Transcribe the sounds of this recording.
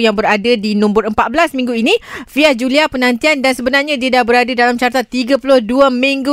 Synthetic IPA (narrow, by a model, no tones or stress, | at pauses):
jaŋbəɾadadinũmbʊrəmpat̪̚bəlasmĩŋɡuinifiahd͡ʒuliapənãnt̪iandansəbənarɲãdiədaʔbəɾadədalamt͡ʃaɾt̪at̪ːiɡapulʊhduamĩŋɡu